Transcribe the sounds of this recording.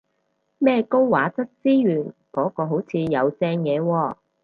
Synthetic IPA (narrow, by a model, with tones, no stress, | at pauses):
mɛː˥ko˥wwa̰ː˨˥t͡sɐ˥t̚siː˥jyː˨˩nkɔː˨˥kɔː˧ɦo˨˥wt͡sʰiː˨˧jɐ˨˧wt͡sɛː˧ŋjɛː˨˧wɔː˧